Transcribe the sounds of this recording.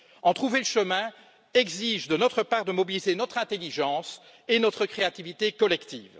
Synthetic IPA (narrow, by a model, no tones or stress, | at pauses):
ɑ̃t̪χuveləʃəmɛ̃ | ɛɡziʒd̪ənɔt̪χəpaʁd̪əmɔbilizenɔt̪χɛ̃t̪eliʒɑ̃s | enɔt̪χəkχeat̪ivit̪ekɔlɛkt̪ḭːv